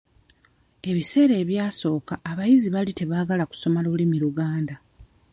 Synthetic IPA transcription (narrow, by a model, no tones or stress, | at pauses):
e̞βise̞ːɾe̞ːβjaːso̞ːkaʔːβajiziβalite̞βaːɡalaku̥so̞malulimiɾuɡaːnda